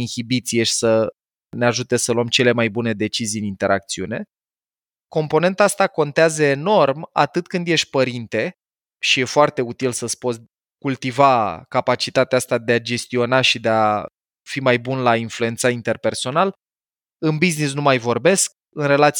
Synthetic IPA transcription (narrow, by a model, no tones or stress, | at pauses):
inhibit̪sijeʃʲsə | neaʒut̪e̞səluəmt͡ʃe̞le̞majbune̞d̪e̞t͡ʃiziɨnint̪e̞ɾʔa̰k̚t̪siune̞ | ko̞mpo̞ne̞nt̪aast̪ako̞nt̪eazəeno̞rma̰t̪ɨt̪kɨnd̪je̞ʃt̪ʲpəɾint̪e̞ | ʃije̞foart̪e̞ut̪ilsəspoz | kult̪ivakapat͡ʃit̪at̪eaast̪ad̪e̞ad͡ʒe̞st̪io̞naʃid̪ea | fimajbunlainflue̞nt̪saint̪e̞rpe̞rso̞nal | ɨnbiznis̬numajvo̞rbe̞sk̚ | ɨnre̞lat̪s